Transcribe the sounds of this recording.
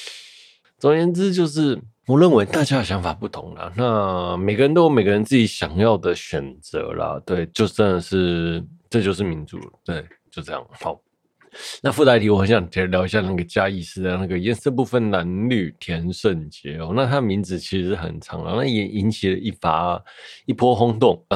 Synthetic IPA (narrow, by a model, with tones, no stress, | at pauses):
t͡sʊ˨˩ŋjɛ˧˥nt͡sɹ̩˥t͡ɕjo˥˧ʊʂ̬ɻ̩˥˩ | wɔ˨˩ɻə˥˩nwe˧˥ɪt̪a˥˩t͡ɕja˥jɕjɑ˧˥ŋfa˨˩pu˥˩t̪ʰʊ̰˧˥˦ŋlɐ̰˨˩na˥˧me˨˩ɪɡə˦ɻə˦nt̪o˥me˨˩ɪɡə˧ɻə˧˦nt͡sɹ̩˥˩i˧˥ɕjɑ˨˩ŋjɑ˥˩ʊd̪ə˩ɕɥɛ˨˩nt͡sɤ̰˧˥lɐ̰˧t̪we˥˩ɪt͡ɕjo˥˧ʊʈ͡ʂə˥˩nd̪ə˨˩ʂɻ̩˥˩ʈ͡ʂɤ˥˧t͡ɕjo˥˧ʊʂ̬ɻ̩˥˩mi˧˥nt͡sṵ˨˩˦t̪we˥˩ɪt͡ɕjo˥˧ʊʈ͡ʂɤ˥˧jɑ̰˥˩ŋ˩xɑ˧˦ | na˥˧fu˥t̪ʰa˧˥ɪt̪i˥wɔ˨˩hə˧˦nɕjɑ˨˩ŋ˩t̪ʰi˧˥ə˧ljɑ˧˥ʊi˧˩ɕja˥˧na˥˩ɡə˩t͡ɕja˥i˥˧ʂɻ̩˥˧jɑ˥˩na˥˩ɡə˩i˧ɛ˥˧ʈ͡ʂp̬u˥˧fə˨nna˧˥nly˥˩t̪ʰjɛ˧˥nʂwə˥˩nt͡ɕjɛ˧˥ɔ˧˦na˥˩t̪ʰa˥˧˨mi˧˥nt͡sɹ̩˨˩t͡ɕʰi˧˥ʂ̩˧ʂɻ̩˥˩xə̰˨˩nʈ͡ʂʰɑ̰˧˥ŋlə̰˨na˥˩jɛ˨˩ʔi˧˥nt͡ɕʰi˨˩lə˦i˥˩fa̰˨˥˦i˥˩pʰwɔ˥xʊ˥ŋt̪ʊ˥˩ŋ˩